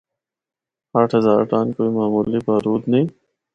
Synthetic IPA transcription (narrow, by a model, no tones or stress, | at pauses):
aːʈʰɦɐzaːɾʈaːnkoːimaːmuːlipaːɾuːd̪nɐĩː